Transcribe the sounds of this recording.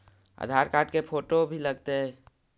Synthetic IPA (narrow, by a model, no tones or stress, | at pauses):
ə̰d̪ʱaːɾkaːʈkepʰoːʈobʱilɐɡ̚t̪eɦɛ̃ː